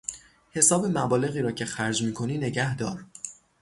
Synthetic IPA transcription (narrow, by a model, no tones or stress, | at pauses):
he̞sɒːbe̞mæbɒːle̞ɣiːɾɒːcʰe̞xæɾd͡ʒmiːkʰo̞niːne̞ɟæhd̪ɒːɾ